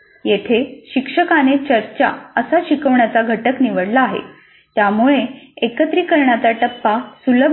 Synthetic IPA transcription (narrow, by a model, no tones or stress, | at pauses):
jet̪ʰeɕikʂəkanet͡ɕəɾt͡ɕa̰əsaɕikəʋɳjat͡saɡʱəʈəkniʋəɽlaːɦḛ | t̪jamuɭeekət̪ɾiːkəɾɳjat͡saʈəpːasuləb